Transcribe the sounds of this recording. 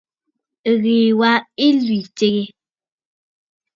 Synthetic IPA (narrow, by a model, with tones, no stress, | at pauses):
ɣeː˨wa˦i˦lwi˨t͡ʃe˦ɣe˦